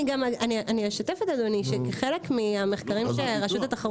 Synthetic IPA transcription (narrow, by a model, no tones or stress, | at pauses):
iɡamaaniʔaniaʃat̪efet̪adoniʃekeχelekmiameχkaʁimʃeʁaʃut̪at̪aχaʁ